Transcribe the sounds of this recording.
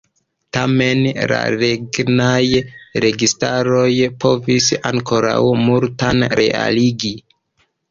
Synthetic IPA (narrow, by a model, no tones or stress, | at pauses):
tame̞nla̰ɾeɡnajɾe̞ɡistaɾo̞jpʰo̞visaŋko̞ɾawmultanɾe̞̰a̰liɡi